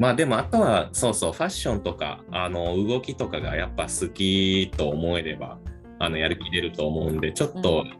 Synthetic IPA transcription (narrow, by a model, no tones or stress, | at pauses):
maːd̪e̞mo̞at̪o̞βaso̞ːso̞ːɸaɕːõ̞nt̪o̞ka̰ano̞ɯ̟ɡo̞kʲit̪o̞kaɡa̰japːasɨkʲit̪o̞ːmo̞e̞ɾe̞ba̰ | ano̞jaɾɯ̟kʲiɾe̞ɾɯ̟t̪o̞ːmo̞ɯ̟̃nd̪e̞t͡ɕo̞t̪ːo̞